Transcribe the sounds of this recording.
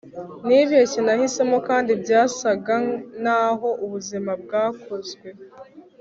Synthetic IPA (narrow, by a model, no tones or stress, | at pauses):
niβiecinahise̞mokaːndibɟaːsaɡanaːɦo̞ʔuβuzimab̚ɡaːkʰo̞zɡwe̞